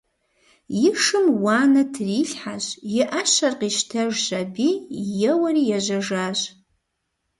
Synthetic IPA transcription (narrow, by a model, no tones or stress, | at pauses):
jɪʂɨmwaːnɐtʰriɬħaɕjɪʔaʃɐrqiʃtʰɐʐʒabijɛwɐrijaʒʷɐʐaːʒʷ